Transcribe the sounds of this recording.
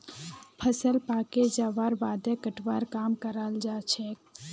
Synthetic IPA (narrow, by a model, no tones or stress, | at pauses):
pʰəsəlpaked͡ʒaʋaɾbad̪ekəʈʋaɾkamkəɾəld͡ʒat͡ʃʰɛ